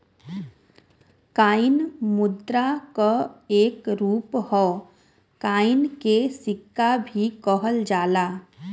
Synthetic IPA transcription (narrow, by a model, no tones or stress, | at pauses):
kaːɪnmʊd̪ɾakoeːkɾuːphɔ | kaːɪnkesɪkːabʱikɔɦəld͡ʒaːlaː